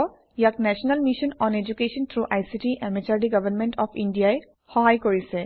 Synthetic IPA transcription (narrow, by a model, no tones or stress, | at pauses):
ɔ | jak̚nɛsɔnalmiʃɔnɔned͡ʒukesɔnt̪ʰɹuʔajsitiʔɛmɛt͡ʃaɹɖiɡabanmɛntɔpʰindijae | xɔɦajkoɹisɛ